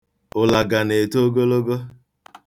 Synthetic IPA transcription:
ʊ˨la˨ɡa˨ne˨to˦ɡo˦lo˦ɡo˦

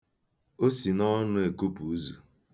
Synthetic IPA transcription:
o˦si˨nɔ˦nʊ˦e˨ku˦pu˨u˦zu˨

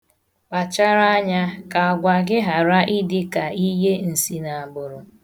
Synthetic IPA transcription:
k͡pa˨t͡ʃa˦ɾa˦ɲa˦ka˨a˨ɡʷa˨ɡɪ˦ɦa˨ɾa˦ʔɪ˦dɪ˦ka˨i˦ɦe˦n̩˨si˦na˨a˨bʊ˨ɾʊ˨

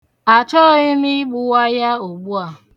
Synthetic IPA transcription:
a˨t͡ʃɔ˦ɪ˦mi˦ɡ͡bʊ˨wa˦ja˦o˨ɡ͡bu˦a˨

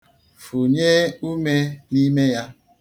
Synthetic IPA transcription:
fu˨ɲe˦u˦me˦ni˦me˦ja˦

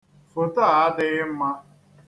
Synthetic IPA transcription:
fʊ˨ta˦˨a˦dɪ˦ɣɪ˦m̩˦ma˦

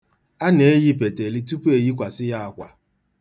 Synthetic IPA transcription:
a˦ne˨˦e˦ji˦p̬e˨te˨li˦tu˦pu˦e˨ji˦kʷa˨sɪ˦ja˦a˨kʷa̰˨

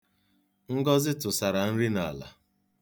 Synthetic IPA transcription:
ŋ̩˦ɡɔ˦zɪ˦tʊ˨sa˨ɾa˨n̩˦ɾi˦na˨la̰˨

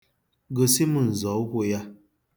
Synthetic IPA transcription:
ɡo˨si˦mu˨n̩˨zɔ˨˦ɦʷo˦ja˦

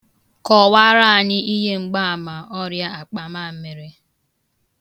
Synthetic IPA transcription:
kɔ˨wa˦ɾa˦˨ɲɪ˦ʔi˦ɦe˦ŋ͡m̩˦ɡ͡ba˦a˨ma˨ʔɔ˦ɾja˦a˨k͡pa˨ma˦˨m̩˦me˨ɾe˦

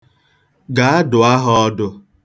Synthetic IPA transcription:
ɡa˨a˦dʊ˨a˦ɦɔ˦ɔ˦dʊ˦

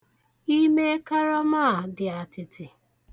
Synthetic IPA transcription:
i˦me˦ka˦ɾa˦ma˦˨dɪ˨a˨tɪ˨tɪ˨

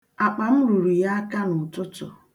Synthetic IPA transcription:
a˨k͡pa˨m̩˦ɾu˨ɾu˨ja˦a˦ka˦nʊ˨tʊ˦tɔ̰˨

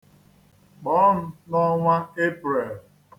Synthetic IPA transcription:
k͡pɔ˨˦n̩˦nɔ˦ŋʷa˦e˦pɾe˨l

